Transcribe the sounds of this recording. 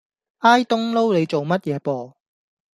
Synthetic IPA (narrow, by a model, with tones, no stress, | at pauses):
aː˥jt̪ʊ˥ŋlo˥wle˨˧jt͡so˨wmɐ˥t̚jɛː˨˧pɔː˧